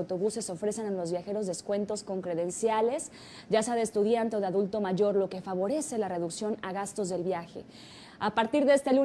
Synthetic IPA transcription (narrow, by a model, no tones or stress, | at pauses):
t̪o̞βuse̞so̞fɾe̞senenlo̞zβjaxe̞ɾo̞zðe̞skwe̞nt̪o̞sko̞ŋkɾe̞ðe̞nsjale̞s | ɟ͡ʝasaðeːst̪uðjant̪e̞o̞ðeaðult̪o̞maʝo̞ɾlo̞ke̞faβ̞o̞ɾe̞se̞lare̞ðuksjo̞naɣast̪o̞zðe̞lβjaxe̞̰ | apaɾt̪iɾðee̞st̪e̞lu